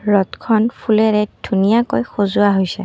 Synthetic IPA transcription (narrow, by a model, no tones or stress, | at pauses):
ɹɔtkʰɔnpʰulɛɹɛd̥ʱunijakojxozʊaɦojsɛ̰